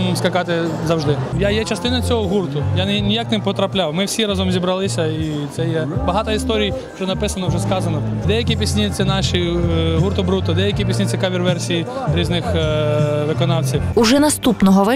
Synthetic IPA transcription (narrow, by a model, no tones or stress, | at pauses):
skɐkɑt̪ɪzɐwʒd̪ɪjajɛt͡ʃɐst̪ɪnɐt͡sʲɔɦɔɦurt̪ʊjanʲijaknɪpɔt̪ɾɐplʲawmɪwsʲiɾɑzɔmzʲibɾɐlˠɪsʲɐit̪sɛjɛbɐɦɑt̪ɐist̪ɔɾʲij | t͡ʃɔnɐpɪsɐnɔwʒɛskɑzɐnɔd̪ɛjɐkʲipʲisʲnʲit̪sɛnɑʃʲiɦurt̪ʊbɾut̪ɔd̪ɛjɐkʲipʲisʲnʲit̪ʲɪkaʋʲirʋɛrsʲijiɾʲiznɪx | ʋɪkɔnɑwt͡sʲiwuʒɛnɐst̪upnɔɦɔʋɪ